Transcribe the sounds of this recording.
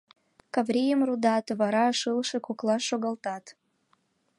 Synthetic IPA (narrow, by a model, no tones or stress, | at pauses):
kɑvɾʲijəmrud̪ɑt̪βɑɾɑʃəlʃĕkoklɑʃoɣɑlt̪ɑt̪